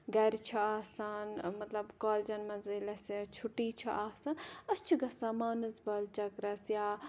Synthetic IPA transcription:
ɡɐɾʲt͡ʃʰiaːsaːnmɐt̪lɐbkaːld͡ʒɐnmɐnzilɐsjat͡ʃʰuʈːiːt͡ʃʰiʔaːsaːnɐst͡ʃʰiɡɐsamaːnɨzbɐlt͡ʃɐkɾɐsjaː

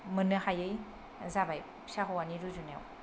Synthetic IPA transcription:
mɯnɯhajɯj | zabaj | saɦɯwaniɾuzuna̰w

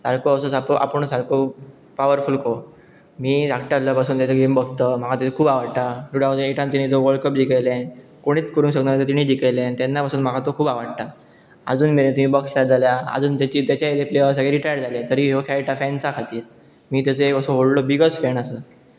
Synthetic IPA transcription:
saɽkoəs̬osapoʔa̰pəɳ̃saɽko | paʋəɾfulko | miːd͡zakʈjad͡zlapasuːnt̪jat͡səɡembəɡʱt̪əm̤akʰat̪at͡sokʰuːbaʋaɽt̪aʈuɽad͡zəeʈãnt̪iɽ̃it̪oʋəɭkəp̚d͡ʑikajlenkoɽ̃iːt͡skəɾuːnsəɡnaat̪et̪iɽ̃iːd͡ʑikajlẽnt̪ɛnːapasuːnm̤akʰat̪okʰuːbaʋaɽt̪a | ə̰d͡zuːnmeɾẽt̪umiːbɔkslaɾd͡zʱaljaə̰d͡zuːnt̪at͡ɕiːt̪jat͡ɕaed̪epleəs̬əɡeɾiʈajəɾd͡zalẽt̪əɾiːɦokʰɛjʈafɛnt͡sakʰat̪iːɾ | miːt̪̬at͡səekəsoɦoɽlobiɡət͡sfɛnəsəː

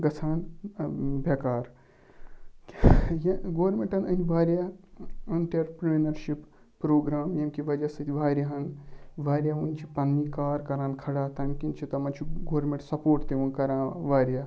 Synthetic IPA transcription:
ɡɐt͡sʰaːn | bʱɐkaːɾ | jɐɡoːɾmeɳʈɐnɐnʲʋaːɾjaɐnt̪ɐɾpɾenɐɾʃipː | ɾoːɡɾaːmjɐnkiʋɐd͡ʒɐsɐt̪ʲʋaːɾjaɦɐnʋaːɾʲjaunt͡ʃʰipɐnːikaːɾkɐɾãːnkʰɐɽaːt̪ɐnkint͡ʃʰit̪ɐmɐnt͡ʃʰiɡoːɾmẽɳʈsɐpoːɾʈt̪eʋunkɐɾãːʋaːɾjaː

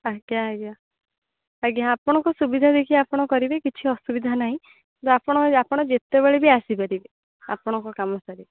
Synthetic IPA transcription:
aɡjaaɡja | aɡjaapɔɽ̃ɔŋkɔsubid̪ʱad̪ekʰiapɔɽ̃ɔkɔɾibekit͡ʃʰiɔsubid̪ʱanaɦĩ | kint̪apɔɽ̃ɔapɔɽ̃ɔd͡ʒet̪ebeɭebiasipaɾibe | a̰pɔɽ̃ɔŋkɔkamɔsaɾi

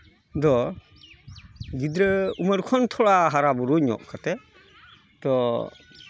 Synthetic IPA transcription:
dɔ | ɡid̪ɾəuməɾkʰɔnt̪ʰɔɽaɦaɾabuɾuɲɔ̰ʔkʰat̪ɛ | d̪̥ɔ

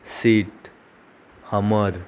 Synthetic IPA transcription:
siʈ | həməɾ

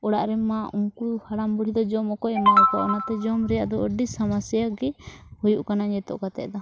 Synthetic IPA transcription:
ɔɽaʔɾɛmauŋkuhaɽambuɽ̤id̪ɔd͡ʒɔmɔkɔɛmaɔkɔʔɔnat̪ɛd͡ʒɔmɾɛjaʔd̪ɔəɖisamasjaɡɛhujuʔkanaɲɛt̪ɔ̰ʔkat̪ɛ̰ʔd̪a

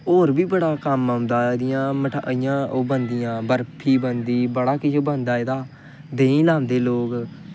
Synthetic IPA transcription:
oːɾbiːbəɽaːkəmaʊ̃nd̪aːd̪ɪjãːməʈaɪjãːoːbənd̪ɪjãːbəɾpʰiːbənd̪iːbəɽaːkɪd͡ʒoːbənd̪aːeːd̪aː | d̪ẽːĩːlaːnd̪eːloːɡ

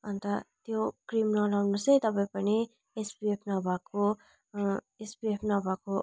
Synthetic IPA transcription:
ʌnt̪ʌt̪jokrimnʌlawnusʌjt̪ʌpʌĩpʌni | esbiepʰnʌbʱako | esbiepʰnʌbʱako

